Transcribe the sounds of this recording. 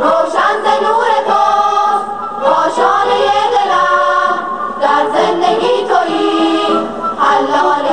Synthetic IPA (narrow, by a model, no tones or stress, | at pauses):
ɾoːʃanzenuːɾep̪os | ɾoːʃɔːnejed̪ela | d̪aɾzend̪eɡiːt̪ʰoi | alːɔːne